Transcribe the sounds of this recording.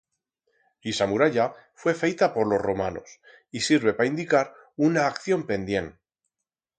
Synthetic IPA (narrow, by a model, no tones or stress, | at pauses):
lisamuɾaʎafwe̞fe̞jt̪apo̞ɾlo̞zro̞mano̞̰s | isiɾβ̞e̞paind̪ikaɾ | unaːkθjo̞mpe̞nd̪je̞n